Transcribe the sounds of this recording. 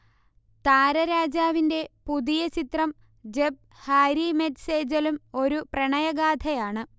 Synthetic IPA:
t̪aːɾɐɾaːd͡ʑaːʋinde̞puðijɐt͡ɕit̪rɐm | d͡ʑeb̚ | haːɾimetseːd͡ʑɐlumo̞ɾuprɐɳɐjɐɡaːd̪ʰʱɐjaːɳɨ

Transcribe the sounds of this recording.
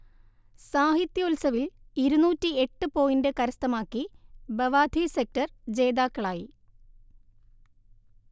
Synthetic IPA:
saːɦit̪jɐulsɐʋiliɾunuːtːie̞ʈːɨpo̞ːjindekɐɾɐst̪ɐmaːkːibɐʋaːd̪ʱiːsek̚tɐrd͡ʑe̞ːd̪aːkːɐɭaːji

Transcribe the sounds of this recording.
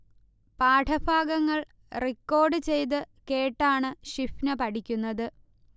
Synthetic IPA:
paːʈʰɐbʱaːɡɐŋːɐɭ | rikːo̞ːɖɨt͡ɕe̞jt̪̬ɨ | ke̞ːʈːaːɳɨɕifnɐpɐʈʰikʲːunːɐðɨ

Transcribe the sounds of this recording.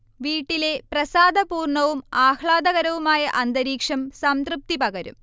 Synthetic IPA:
ʋiːʈːile̞prɐsaːd̪ʱɐpuːrɳɐʋumaːhɭaːd̪ɐɣɐɾɐʋumaːjɐʔɐnd̪ɐɾiːkʂɐmsɐmt̪rɨp̚t̪ipɐɣɐɾṵm

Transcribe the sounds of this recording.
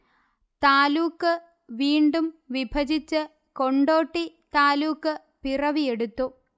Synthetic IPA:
t̪aːluːkːɨ | ʋiːɳɖumʋibʱɐd͡ʑit͡ɕːɨ | ko̞ɳɖo̞ːʈːi | t̪aːluːkːɨ | pirɐʋije̞ɽut̪ːu

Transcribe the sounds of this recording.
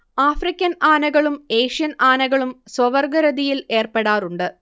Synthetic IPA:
aːfrikʲːɐnaːnɐɣɐɭume̞ːʂijɐnaːnɐɣɐɭumswɐʋɐrɡɐɾɐðijile̞ːrpeɽaːruɳɖɨ

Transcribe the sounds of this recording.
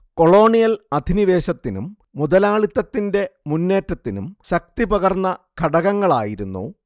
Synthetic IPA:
ko̞ɭo̞ːɳijɐlɐd̪ʱiniʋe̞ːɕɐt̪ːinṵmː | ud̪ɐlaːɭit̪ːɐt̪ːinde̞munːe̞ːʈːɐt̪ːinumɕɐk̚t̪ipɐɣɐrnːɐkʰɐɽɐɣɐŋːɐɭa̰ːjiɾunːṵː

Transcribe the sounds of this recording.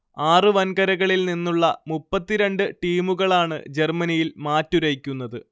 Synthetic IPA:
aːrɨʋɐnkɐɾɐɣɐɭilninːuɭːɐmupːɐt̪ːiɾe̞ɳɖɨʈiːmuɣɐɭaːɳɨ̰d͡ʑe̞rmɐnijilmaːtːuɾɐjikʲːunːɐðɨ

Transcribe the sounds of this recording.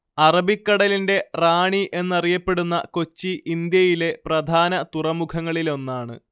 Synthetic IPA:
ɐrɐbikːɐɽɐlinde̞raːɳiʔe̞nːɐrijɐpːe̞ɽunːɐ̰ko̞t͡ɕːiʔind̪jɐjile̞prɐd̪ʱaːnɐt̪urɐmukʰɐŋːɐɭilo̞nːaːɳɨ̰

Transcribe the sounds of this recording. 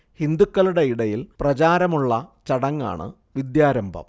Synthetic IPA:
hind̪ukːɐluɽe̞iɽɐjilprɐt͡ɕaːɾɐmuɭːɐt͡ɕɐɽɐŋːa̰ːɳɨ̰ | ʋid̪jaːɾɐmbʱɐ̰m

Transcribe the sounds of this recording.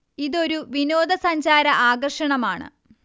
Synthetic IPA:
iðo̞ɾuʋinoːd̪ɐsɐɲd͡ʑaːɾɐʔaːɡɐrʂɐɳɐmaːɳɨ̰

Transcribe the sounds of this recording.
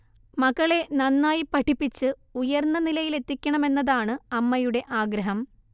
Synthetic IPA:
mɐɣɐɭe̞nɐnːaːjipɐʈʰipːit͡ɕːɨ | ujɐrnːɐnilɐjile̞t̪ːikʲːɐɳɐme̞nːɐðaːɳɨɐmːɐjuɽe̞ʔaːɡɾɐɦɐm

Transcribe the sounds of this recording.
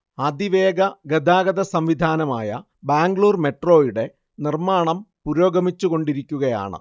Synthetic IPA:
ɐd̪iʋe̞ːɡɐɡɐd̪ʱaːɡɐðɐsɐmʋid̪ʱaːnɐmaːjɐ̰ | baːŋɡɭuːrme̞ʈro̞ːjiɽe̞ | nirmaːɳɐmpuɾo̞ːɡɐmit͡ɕːuɣo̞ɳɖiɾikʲːuɣɐja̰ːɳɨ̰

